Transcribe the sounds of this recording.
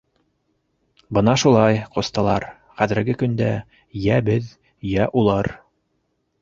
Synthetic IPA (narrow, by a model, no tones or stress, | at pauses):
bɤnɑʃulˠɑjqŏst̪ɑlˠɑ̰ɾ | χæðɘ̆ɾɡɘkɵ̆nd̪æ | jæbɘð | jæʔulˠɑɾ